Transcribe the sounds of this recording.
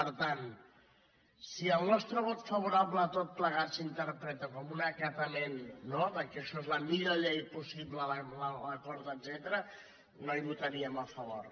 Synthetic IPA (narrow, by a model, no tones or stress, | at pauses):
pəɾt̪an | siəlˠnɔst̪ɾəβɔt̪fɐβ̞uɾaβləːt̪ot̪̚pləɣat̪sint̪əɾpɾɛt̪əkɔmunəkət̪əmenːoðəkeʃoezləmiɾəʎejpusiβlələlələkɔɾt̪əd̪zɛt̪əɾə | noiβut̪əɾiəməfəβoɾ